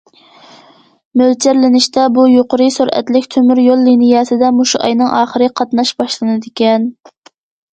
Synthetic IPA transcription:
mølt͡ʃʰæɾlɪnɪʃt̪ɛbujoqəɾɨsuɾʔɛ̰t̪lɪkʲt̪ʰømyɾjolˠːinijɑsɪd̪ɛmoʃuʔɑ̰jnɨŋʔɑːχəɾɨqʰɑt̪nɑʃbɑʃlˠɨnɨd̪ɪkʲɛn

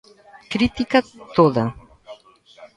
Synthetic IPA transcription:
kɾit̪ikɐt̪oðɐ

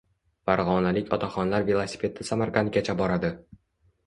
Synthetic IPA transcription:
faɾʁɒnalɪkʲɒt̪ʰaχɒnlaɾvelˠasi̥fʲe̞t̪ʰɪsamaɾqan̚ɡʲat͡ʃʰabɒɾad̪ɪ

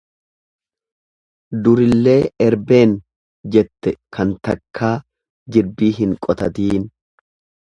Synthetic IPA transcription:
d̪ʊɾɪlːe̞ːɛɾbe̞ːn | d͡ʒɛt̪ːɛkɐnt̪ɐkʰːaː | d͡ʒɪɾbiːɦɪŋkʼɔt̪ɐt̪iːn

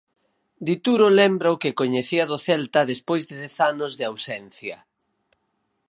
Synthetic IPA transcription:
d̪it̪uɾolɛmbɾaʊkɪkoɲeθiɐðʊθɛlt̪ɐðespojzðɪðɛθanʊzðɪawsɛnθjɐ

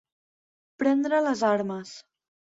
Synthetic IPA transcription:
pɾɛnd̪ɾələzaɾməs

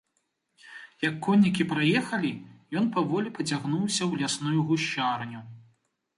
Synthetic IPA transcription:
jɐkːɔnʲːikʲipɾajɛxɐlʲijɔnpavɔlʲipɐt͡sʲaɣnuwsʲɐwlʲasnujuɣuʃːarnʲu

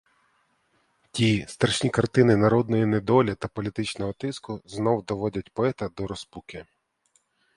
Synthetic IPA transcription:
tʲist̪ɐɾʃnʲikɐrt̪ɪnɪnɐɾɔd̪nɔjined̪ɔlʲɐt̪ɐpɔlʲit̪ɪt͡ʃnɔɦɔt̪ɪskʊznɔwd̪ɔʋɔdʲɐt̚ʲpɔɛt̪ɐd̪ɔɾɔspukʲɪ

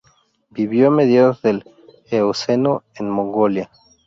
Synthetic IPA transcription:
biβjomeðjaðoðel | eosenoenmõŋɡolja

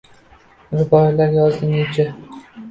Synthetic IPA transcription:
ɾɪbɒjlaɾjɒzɪŋɪt͡ʃʰa

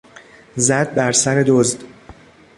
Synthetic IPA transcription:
zæd̪̚bæɾsæɾe̞d̪ozd̪

